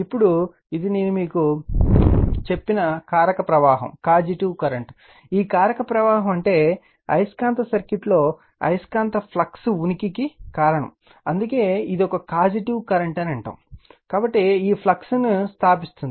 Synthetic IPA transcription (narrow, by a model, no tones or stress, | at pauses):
ipːuɽu | id̪ine̞ːnumiːku | t͡ʃe̞pːinɐkaːɾɐkɐpɾɐʋaːɦɐ̰mkaːd͡ʒiʈiʋkɐɾɐɳʈ | iːkaːɾɐkɐpɾɐʋaːɦɐmɐɳʈe̞ː | ɐ̰jskaːnt̪ɐsɐɾkiʈlo̞ː | ɐ̰jskaːnt̪ɐpʰlɐksunikikikaːɾɐɳɐ̰m | ɐnd̪uke̞ːid̪iɔkɐkaːd͡ʒiʈiwkɐɾɐɳʈɐnɐɳʈɐ̰ːmkaːbɐʈːiiːpʰlɐksnust̪ʰaːpist̪und̪i